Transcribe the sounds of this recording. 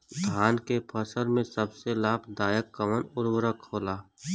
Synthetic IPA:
d̪ʱaːnkepʰəsəɾmẽsəbselaːbd̪aːjəkːəmənʊɾwəɾəkʰːoːlaː

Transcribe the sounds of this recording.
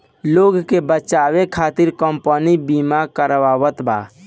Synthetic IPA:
loːɡkebət͡ʃaːwekʰaːt̪ɪɾkəmpənibimakəɾwaːwət̪ba̰ː

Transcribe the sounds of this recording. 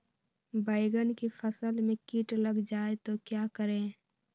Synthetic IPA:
bəɪɡənkipʰəsəlmẽkiʈləɡd͡ʒaːet̪okjaːkəɾẽː

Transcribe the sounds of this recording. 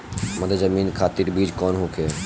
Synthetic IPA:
məd̪ezəmiːnkʰaːt̪iɾbiːd͡ʒkɔːnɦokʰe

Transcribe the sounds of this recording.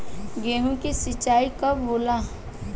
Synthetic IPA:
ɡeːɦũkisɪt͡ʃːaːikɐbboːla

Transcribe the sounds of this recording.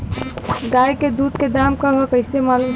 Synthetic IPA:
ɡajked̪ud̪̚ked̪amkəɦɔkəɪsemaːlum

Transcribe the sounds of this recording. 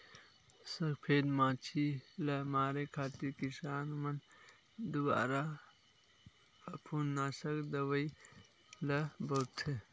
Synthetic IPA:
sɐkpʰeːd̪mãːt͡ʃʰilɐmaːɾekʰaːt̪ikisaːnmɐn | d̪uba̰ːɾa | ɐpʰunːaːsɐkd̪ɐwɐj | lɐbɐt̪ʰe

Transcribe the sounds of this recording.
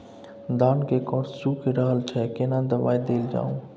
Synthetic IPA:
d̪aːnkekɔːɾsukʰiɾəɦəlt͡ʃʰɛkenad̪əbaːid̪eːld͡ʒa̰ːũ

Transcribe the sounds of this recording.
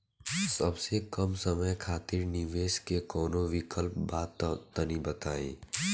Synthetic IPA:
sɐbsekɐmsɐməjkʰaːt̪ɪɾnɪʋeːʃkekɔːnoʋɪkəlp̚baːt̪t̪ːɐnibɐt̪aːḭ̃ː

